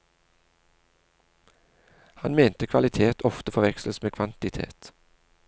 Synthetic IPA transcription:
hɑnmeːnt̪əkʰʋɑlɪt̪ʰeːt̪ʰɔft̪əfɔʁʋɛksləsmeːkʰʋɑnt̪ɪt̪ʰḛːt̪

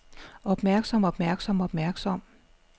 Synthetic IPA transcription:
ɒ̽b̥mæɐɡ̥sɒ̽mɒ̽b̥mæɐɡ̥sɒ̽mɒb̥mæɐɡ̥sɒ̽m̰

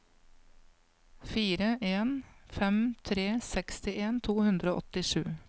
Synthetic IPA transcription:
fiːɾəʔeːnfɛmt̪ʰɾeːsɛkst̪ɪʔeːnt̪ʰuːhʉnd̪ɾoːʔɔt̪ɪʂʉ̰ː

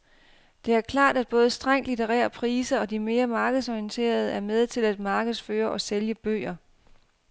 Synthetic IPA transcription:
d̥e̝æɐkʰlɑ̰̈ːd̥æd̥̚b̥ɔ̽ːð̞̩ˠsd̥ʁaŋ̰̥lit͡sʰeʁɛ̰ːɐpʰʁiːsɐɒ̽d̥ime̝ːɐmɑ̈ːɡ̥ð̩ˠsɒiənt͡sʰe̝̰ːɐð̞̩ˠəæɐmeð̞ˠt͡sʰe̝læd̥mɑ̈ːɡ̥əð̞̩ˠsføːɐʔɒ̽seljəb̥ø̰ːɐ

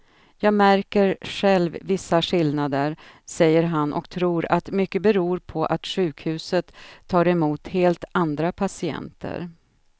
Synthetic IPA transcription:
jɑːɡmæɾkəɾɧɛlvːɪsːaɧɪlnad̪əɾ | sɛjːəɾɦanʔɔ̰kt̪ʰɾuːɾat̪mʏkːəbɛɾuːɾpʰɔʔat̪ɧʉ̟ːkhʉ̟ːsət̪ʰːɑːɾɛmuːt̪heːlt̪and̪ɾapʰasɪɛ̰nt̪ʰə̰ɾ

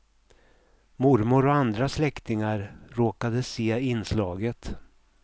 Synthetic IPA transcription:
mʊɾmʊɾɔand̪ɾaslɛkt̪ɪŋaɾɾoːkad̪əseːɪnslɑːɡət̪

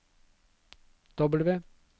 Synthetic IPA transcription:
d̪̥ɔbəl̩ʋeː

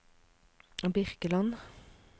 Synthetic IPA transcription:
bɪʁkəlɑn

